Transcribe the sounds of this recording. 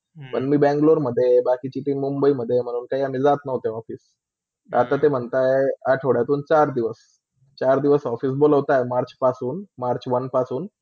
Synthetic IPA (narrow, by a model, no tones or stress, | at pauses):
pə̰ɳmiːbɛ̃ŋɡloɾməd̪ʱːjebakit͡ɕiʈiːmumbəiməd̪ʱːjem̤əɽ̃uːnkaiamid͡zat̪nəɦt̪eɔfiːs | at̪at̪em̤əɳt̪ajeaʈʰeʋɽjat̪uːnt͡ɕaɾd̪iʋəs | t͡ɕaɾd̪iʋəsɔfiːs̬boləʋt̪ajmaɾt͡ɕpasuːnmaɾt͡ɕʋənpasuːn